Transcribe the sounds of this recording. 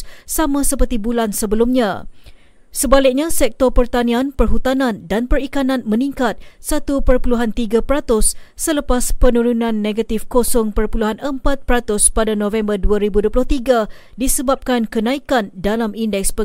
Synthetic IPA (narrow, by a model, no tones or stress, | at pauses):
samãsəpərt̪ibulansəbəlumɲã | səbalɪk̚ɲasɛk̚t̪ɔpərt̪anĩanpərɦut̪anãndanpərikanãnmə̃niŋkat̪̚sat̪upərpuluɦant̪iɡapəɾat̪ʊsːələpaspənũɾunãnːeɡat̪ifkosɔŋpərpuluɦanəmpat̪̚pəɾat̪ʊspadanõvɛmbərduaɾibuduəp̬lʊht̪iɡa | disəbap̚kankənãikandalamʔindɛk̚spə